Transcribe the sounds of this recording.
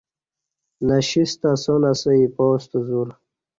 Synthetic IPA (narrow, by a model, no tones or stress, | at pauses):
naɕist̪asonasəipɔːst̪əzuɾ